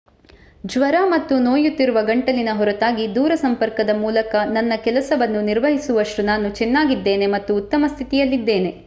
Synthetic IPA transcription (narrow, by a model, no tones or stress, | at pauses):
d͡ʒʋɐɾaːmɐt̪ːunoːjut̪ːiɾuʋɐɡɐɳʈɐlinɐɦɔɾut̪aːɡid̪uːɾɐsɐmpɐɾkɐd̪ɐmuːlɐkɐnɐnːɐkɛlɐsɐʋɐnːuniɾʋɐɦisuʋɐʃɾunaːnut͡ʃɛnːaːɡid̪ːe̞ːne̞mɐt̪ːuːt̪ːɐmɐst̪ʰit̪ijɐlːid̪ːe̞ːne̞